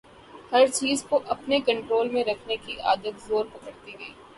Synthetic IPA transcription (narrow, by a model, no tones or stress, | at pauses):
hɐɾt͡ʃiːzkoʔɐpnekɐ̃ɳʈɾoːlmẽɾɐkʰnekiʔa̰ːd̪ət̪zoːɾpɐkəɾt̪iɡɐiː